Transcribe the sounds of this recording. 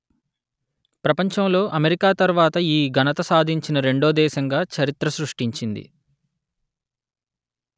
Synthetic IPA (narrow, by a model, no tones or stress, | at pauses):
pɾɐpɐɲt͡ʃɐmlo̞ːʔɐmeɾikaːt̪ɐɾuʋaːt̪ɐiːɡɐnɐt̪ɐsaːd̪ʱiɲt͡ʃinɐɾe̞ɳɖoːd̪ɛːʃɐŋɡaːt͡ʃɐɾit̪ɾɐsɾuʂʈiɲt͡ʃind̪ḭ